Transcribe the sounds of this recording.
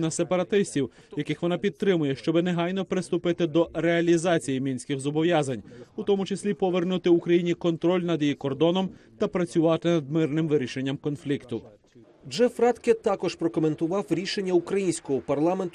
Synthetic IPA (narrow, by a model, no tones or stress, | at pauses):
nɐse̞pɐɾɐt̪ɪsʲtʲiw | jɐkɪxʋɔnɑpʲid̪̚t̪ːɾɪmʊjɛʃt͡ʃɔbɪneɦɑjnɔpɾɪst̪ʊpɪt̪ɪd̪ɔɾeɐlʲizɑt͡sʲijimʲinʲsʲkɪxzɔbɔʋjɑzɐnʲʊt̪ɔmʊt͡ʃesʲlʲipɔʋernut̪ɪukɾɐjinʲikɔnt̪ɾɔlʲnɐd̪ʲijikɔrd̪ɔnɔmt̪ɐpɾɐt͡sʲʊʋɑt̪ɪnɐd̪mɪrnɪmʋɪɾʲiʃe̞nʲːɐmkɔnflʲikt̪ʊ | d͡ʒɛfɾɑt̪ket̪ɑkɔʒpɾɔkɔment̪ʊʋɑwɾʲiʃe̞nʲːɐukɾɐjinʲsʲkɔɦɔpɐrlˠɑme̞nt̪